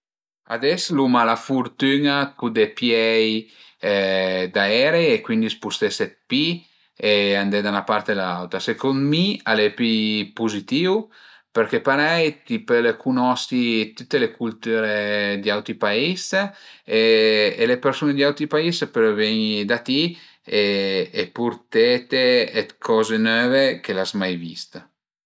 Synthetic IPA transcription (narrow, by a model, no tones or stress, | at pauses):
a̰d̪ɛslumalafuɾt̪ynakud̪epjɛj | d̪aɛɾeekwind̪ispust̪esɛt̪̚pi | eand̪ed̪anapaɾt̪elaawt̪ɾasekonmialepipuzit̪iw | peɾkepaɾɛjt̪ipelekunɔst̪it̪ut̪ːelekult̪yɾed̪iawt̪ɾipais | eelepeɾsuned̪iawt̪ɾipaispeɾvɛɲd̪at̪i | eepuɾt̪et̪eet̪kʰɔzenøːvekelazmajvḭst̪